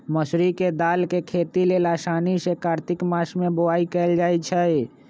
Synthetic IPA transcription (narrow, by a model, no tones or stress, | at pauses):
məsɾiked̪aːlkekʰeːt̪ilelasaːnisekaːɾt̪ɪkmasmẽboaːikɛld͡ʒaːjt͡ʃʰəj